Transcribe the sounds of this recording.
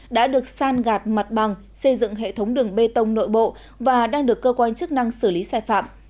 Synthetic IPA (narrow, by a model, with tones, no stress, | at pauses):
ɗa̰ː˧˥ɗɨ˨˩ək̚saː˧nɣaː˨˩t̚ma˨˩t̚ɓa˨˩ŋ | sə˧jzɨ̰˧˨ŋɦḛ˧˨t̪ʰə˨˦wŋ͡mɗɨ˨˩əŋɓe˧t̪ə˧wŋ͡mno̰˧˨jɓo̰˧˨ | vaː˨˩ɗaː˧ŋɗɨ˨˩əkːəː˧kwaː˧nt͡ɕɨ˦˥k̚na˧ŋsɨ˧˩li˨˦saː˧˩jfa̰ː˧˨m